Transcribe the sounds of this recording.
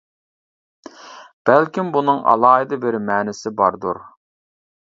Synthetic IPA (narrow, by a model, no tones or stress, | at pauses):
b̥ælkʲimbunɨŋɑ̰lˠɑːɦid̪ɨbɪɾmɛːnɪsɪbɑɾd̪uɾ